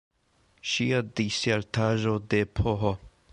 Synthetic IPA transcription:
ʃiadiseɾtʰaʒodepʰoɦo

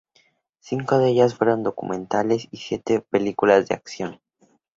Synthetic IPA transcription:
siŋko̞ðeeʝasfwe̞ɾo̞nd̪o̞kṵmẽ̞nt̪ale̞sisje̞t̪epe̞likulazðea̰ksjo̞n

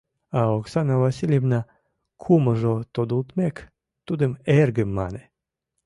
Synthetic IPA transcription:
aoksanavasʲilʲjevna | kʰumaʒot̪od̪ult̪mek | t̪ud̪emeɾɡemːa̰nɛ

